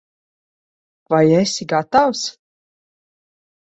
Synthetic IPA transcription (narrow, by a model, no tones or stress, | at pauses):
vajɛsiɡat̪aws